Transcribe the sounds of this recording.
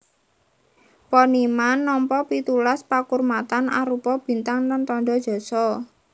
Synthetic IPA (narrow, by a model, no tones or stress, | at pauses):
pɔnimanːɔmpɔpit̪ulaspakurmat̪ana̰ɾupɔb̥i̤nt̪aŋlant̪ɔɳɖɔd̥ʒ̥ɔ̤sɔ